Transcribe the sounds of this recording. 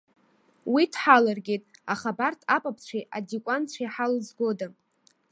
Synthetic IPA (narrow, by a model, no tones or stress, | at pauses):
witʰħalarɡʲetʼaχabartʰapʼapʰt͡ɕʷʰiʔadikʷʼant͡ɕʷʰajħalzɡo̞da